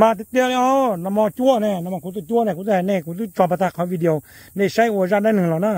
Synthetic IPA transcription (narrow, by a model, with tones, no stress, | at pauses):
maː˧t̪̬ɛ˧t̪i˧˨ə˧lʔɔː˧˥na˧˨mɔː˧t͡ɕu˧˥˨ənɛː˧˩na˧mɔː˧kʰu˧˦ɔ˧˩t͡ɕu˧˥˨nɛː˧˩ku˧˦t̪ːnɛː˧˩kʰu˧˦t̪u˧˨t͡ɕɔː˧˩pa˧t̪ʰa˧kʰɔ˧˦wiː˧di˧ə˧w | na˧˩sa˧˥˩jʔo˧˨˧saː˧˨daː˧˩˨nɯ˨˧˨ŋlɔ˨˩naː˧˥˨